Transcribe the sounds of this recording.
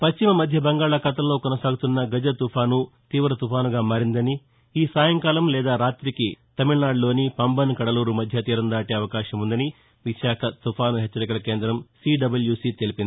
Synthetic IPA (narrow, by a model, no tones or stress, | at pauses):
pɐst͡ʃimɐmɐd̪ʱjɐbɐŋɡaːɭakɐt̪ɐmlo̞ːkɔnɐsaːɡut̪unːɐɡɐd͡ʒɐt̪upʰaːnut̪iːʋɾɐt̪upʰaːnuɡaːmaːɾind̪ɐni | iːsaːjɐŋkaːlɐmlɛːd̪aːɾaːt̪ɾikit̪ɐmiɭnaːɖlo̞ːnipɐmbɐnkɐɽɐluːɾumɐd̪ʱjɐt̪iːɾɐnd̪aːʈeːɐʋɐkaːʃɐmund̪ɐni | ʋiʃaːkʰɐt̪upʰaːnuɦet͡ʃːɐɾikɐlɐke̞ːnd̪ɾɐmsiːɖɐbɐljuːsit̪e̞lipind̪i